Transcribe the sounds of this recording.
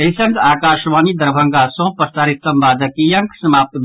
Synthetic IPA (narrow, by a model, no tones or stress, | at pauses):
ɐisɐŋɡ̪aːkaːʃʋaːnid̪ɐɾbʱɐ̃ŋɡaːsõːpɐst̪aːɾis̚t̪ɐmbaːd̪ɐkijɐŋksɐmaːp̚t̪b